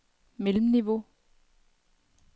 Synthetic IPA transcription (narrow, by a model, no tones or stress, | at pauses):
melm̩niʋo̝